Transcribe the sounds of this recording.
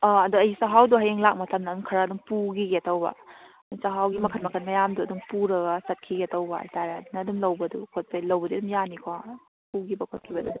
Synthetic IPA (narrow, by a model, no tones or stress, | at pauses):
ɔɐduɐjsaɦawduɦɐjeŋlak̚mɐtʰɐmnɐdumkʰɐɾaːduŋpuɡiɡeɐtʰɐwbɐ̰ | dsaɦawɡimɐkʰɐnmɐkʰɐnmɐjamduɐduŋpuɾɐɡɐsɐt̚kʰiɡiɐtʰɐwbɐ̰ɐ̰jtaɾedunɐːdumlɐwbɐdukʰot̚pʰajlɐwbɐdiɐdumjanikʰo | puɡibɐkʰot̚kʰibɐdu